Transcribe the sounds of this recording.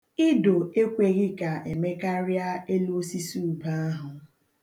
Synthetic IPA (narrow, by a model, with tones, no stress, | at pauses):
i˦do˨e˦kʷe˨ɣɪ˦ka˨e˨me˦ka˦ɾja˦e˦lu˦o˦si˦su˦u˨ba˦a˦ɦʊ˨